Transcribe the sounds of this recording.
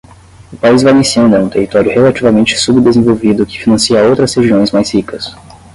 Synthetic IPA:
ʊpaizvalẽsiɐ̃ñd̪ɛũt̪ehit̪ɔɾiʊhelat͡ʃivɐmẽnt͡ʃɪ̥subd̪ezẽvowvid̪ʊkɪ̥finɐ̃siɐowt̪ɾɐsheʒiõj̃zmajshikɐs

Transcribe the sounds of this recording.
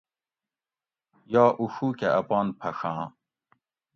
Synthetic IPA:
jaːʔuʂuːkeʔɐpɑːnpʰɐʂãː

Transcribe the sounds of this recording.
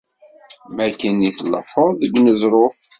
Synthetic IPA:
mækːəniθəlːəfoðˤðəɡnəzɾˤof

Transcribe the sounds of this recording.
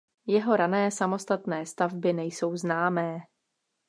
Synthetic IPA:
jɛɦo̞ɾanɛːsamo̞st̪at̪nɛːst̪avbɪnɛjso̞wznaːmɛː

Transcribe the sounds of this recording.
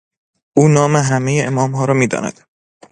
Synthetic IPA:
ʔuːnɒːmeɦæmejeʔemɒːmɦɒːɾɒːmiːd̪ɒ̰ːnæ̰d̪̥

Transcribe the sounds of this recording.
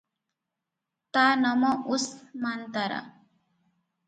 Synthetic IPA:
t̪anʌmʌʔusmant̪aɾa̰

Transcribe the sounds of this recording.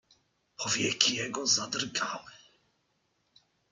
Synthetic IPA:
pʰɔvʲjɛkʲijɛɡɔzad̪rɡawɛ

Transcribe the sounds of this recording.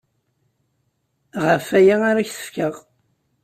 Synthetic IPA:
ʁəfæjaaɾaçθə̥fkəʁ

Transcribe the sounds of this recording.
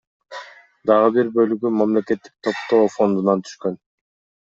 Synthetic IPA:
d̪ɑʁɯbiɾbø̞lyɡymamle̞ke̞t̪ːi̥k̚t̪ʰo̞pt̪o̞ːfo̞nd̪unɑnt̪ʰy̥ʃkø̞n

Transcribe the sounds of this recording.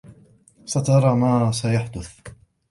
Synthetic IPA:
sat̪ɑɾˤɑːmaːsajaħd̪ʊθ

